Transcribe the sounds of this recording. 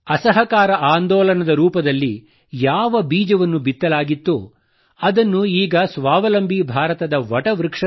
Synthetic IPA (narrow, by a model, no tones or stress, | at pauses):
ɐsɐɦɐkaːɾɐʔaːnd̪ɔːlɐnɐd̪ɐɾuːpɐd̪ɐlːi | jaːʋɐbiːd͡ʒɐʋɐnːubit̪ːɐlaːɡit̪ːu | ɐd̪ɐnːuiːɡɐsʋaːʋɐlɐmbʱibʱaːɾɐt̪ɐd̪ɐʋɐʈɐʋɾɨkʂɐ